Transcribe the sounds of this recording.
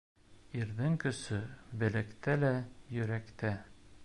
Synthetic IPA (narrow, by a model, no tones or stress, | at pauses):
iɾðɘŋkɵ̆sɵbɘ̆lɘkt̪ælæjɵ̆ɾækt̪æ